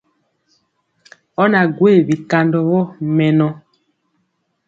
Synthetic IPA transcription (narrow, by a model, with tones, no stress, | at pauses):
ɔ˦na˨ɡwe˦˨bi˨ka˨ndɔ˨βɔ˦mɛ˨nɔ˨